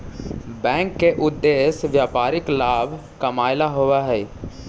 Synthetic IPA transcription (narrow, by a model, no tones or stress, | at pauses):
bɛ̃ːŋkːeʔʊd̪ːeːsʋjaːpaːɾɪklaːbʱkəmaːɪlaɦoʋaɦɛː